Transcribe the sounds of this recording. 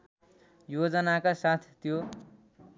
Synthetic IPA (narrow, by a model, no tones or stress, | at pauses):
jod͡zʌnakasat̪ʰt̪jo